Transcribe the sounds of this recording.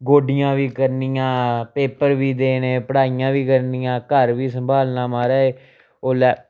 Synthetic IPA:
ɡoːɖɪjãːʋiːkəɾnɪjãːpeːpəɾʋiːd̪eːneːpəɽaːijãːʋiːkəɾnɪjãːkəɾʋiːsəmbʱaːlnaːmaːɾaːeː | oːlɛː

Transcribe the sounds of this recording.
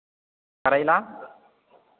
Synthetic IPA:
kəɾajla

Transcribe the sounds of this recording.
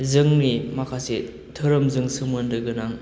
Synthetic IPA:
zɯŋnimakʰase | tʰɯɾɯmzɯŋsɯmɯndɯɡɯnaŋ

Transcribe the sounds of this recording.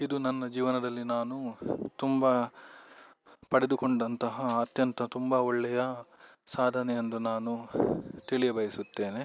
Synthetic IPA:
id̪unɐnːɐd͡ʒiːʋɐnɐd̪ɐlːinaːnut̪umbɐ | pɐɽed̪ukoɳɖɐnt̪ɐɦɐːt̪jɐnt̪ɐt̪umbɐɔɭːɛjɐ | saːd̪ʱɐnɛjend̪unaːnut̪iɭijɐbɐjisut̪ːe̞ːne

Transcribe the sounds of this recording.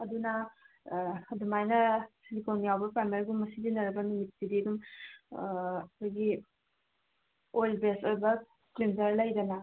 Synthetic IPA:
ɐdunɐ | dumajnɐsilikonijawbɐpamelɡummːɐsidinɐɾɐbɐnumit̚sidiɐdum | ɐkʰojɡi | ojlbesojbɐ | klinzɐɾlɐjdɐnɐ

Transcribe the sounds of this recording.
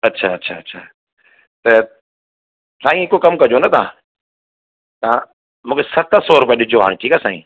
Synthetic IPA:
ɐtːɕʰaɐtːɕʰa̰ːɐtːɕʰa̰ː | t̪ɐ | sãːĩɪkokɐmkɐd͡ʑonɐt̪ã̰ː | t̪ã | mũːkʰesɐt̪əsɔːɾʊpiaɗʊd͡ʑʱoɦa̰ːɽ̃ʈʰiːkaːsãːḭ̃ː

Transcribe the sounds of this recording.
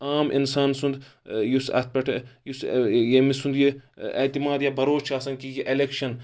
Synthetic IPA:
aːmʔḭnsaːnsund̪ | jusɐ̰t̪̚ʰpɐʈʰjusjemisund̪jiḛt̪imaːd̪jabɐɾoːt͡ʃʰaːsɐŋkijeʔelekʃɐn

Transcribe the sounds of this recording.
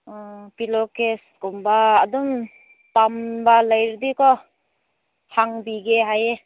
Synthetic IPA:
pilɔkeskɔmbaːdum | tambalajɾdikɔ | haŋbiɡeɦaje

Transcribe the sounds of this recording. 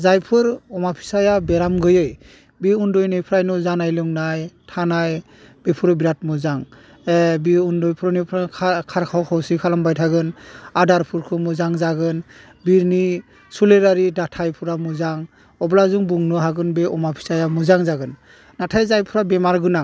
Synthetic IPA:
zajpʰɯɾɔmapʰi̥sajabɛɾamɡɯjɯj | biundɔjnɯjpʰɾajnɔzanajlɯŋnajtʰanaj | b̥epʰuɾɔbiɾat̚muzaŋ | ebiundɔjpʰɾɔnipʰakʰaɾkʰawkʰawsikʰalambajtʰaɡɯnadaɾpʰuɾkʰɯmuzaŋzaɡɯn | biɾni | suleɾaɾidatʰajpʰuɾamuzaŋ | ɔblazuŋbuŋnɯɦaɡɯnbeɔmapʰi̥sajamuzaŋzaɡɯn | natʰajzajpʰuɾabɛmaɾɡɯna

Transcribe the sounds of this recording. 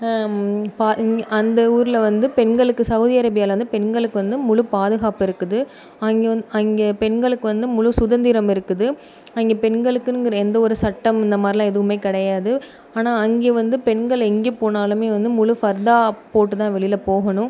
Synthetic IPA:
paːʔɐnd̪ɐuːɾɪlɐʋɐnd̪ɯpɛnɡɐɭɯkːɯsɐʊðiɐɾɐbɪjaːɪlʋɐnd̪ɯpɛɳɡɐɭɯkːɯʋɐnd̪ɯmʊɻʊpaːðɯɣaːpɪɾɯkːɯðɯ | ɐŋɡɐŋɡeːpɛɳɡɐɭɯkːɯʋɐnd̪ɯmʊɻʊsʊðɐnd̪ɪɾɐmɪɾɯkːɯðɯ | ɐŋɡeːpɛnɡɐɭɯkːɯnɯŋɡɪɾɐɛnd̪ɐɔɾɯsɐʈːɐmɪnd̪ɐmaːd̪ɾɪlãːɛðɯʋɯmeɪkːɐɽɐjaːðɯ | aːnaːɐŋɡeːʋɐnd̪ɯpɛnɡɐɭɛŋɡeːpoːnaːlɯmeːʋɐnd̪ɯmʊɭʊfɐɾd̪aːpoːʈːɯt̪ãːʋɛɭɪjlɐpoːɣɐnʊ̃

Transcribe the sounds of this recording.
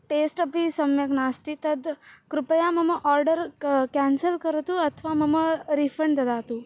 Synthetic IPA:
ʈesʈəpisəmjəknast̪it̪əd̪kɾʊpəjaməməʔɔɾɖəɾkɛ̃nsəlkəɾət̪ũət̪ʰʋaməməɾifʰəɳɖd̪əd̪at̪ũ

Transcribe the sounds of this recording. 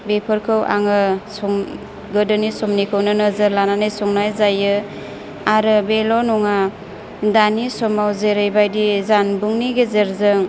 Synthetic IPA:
bepʰɯɾkʰɯwʔa̰ŋɯsɔm | ɡɯdɯnisɔmnikʰɯwnɯnɯzəɾlananɯjsɔŋnajzajɯ | aɾɯbelɔnɔŋa | danisɔmawzeɾejbajdizanbuŋniɡezeɾzɯŋ

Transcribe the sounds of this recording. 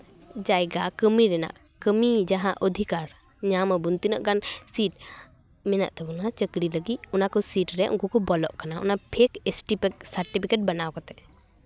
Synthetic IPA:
d͡ʒajɡakəmiɾɛna̰ʔ | kəmid͡ʒaɦãʔəd̪ʱikaɾ | ɲaməbunt̪inəʔɡansiʈ̚ | mɛna̰ʔt̪ɛbɔnat͡ʃəkɽiləɡit̪̚unakɔsiʈɾɛʔṵŋkɔkɔbɔlɔʔkanaɔ̰napʰekesʈipek̚səɾʈipʰikeʈ̚banawkɔt̪ɛ

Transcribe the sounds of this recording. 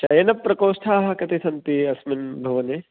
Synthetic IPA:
t͡ʃɐjɐnɐpːɾɐkoːsʈ̪ʰaːɦɐ̆kɐt̪isɐnt̪iɐsminbʱɐʋɐne

